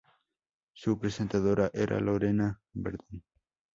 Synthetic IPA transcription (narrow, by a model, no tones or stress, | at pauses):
supɾese̞nt̪aðoɾaʔeɾʔa̰loɾena | beɾðin